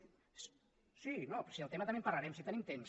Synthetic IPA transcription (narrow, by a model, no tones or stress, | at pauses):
sinopɾɔ̥siəlˠt̪emət̪əmempɐɾlɐɾɛmsit̪ənimt̪ems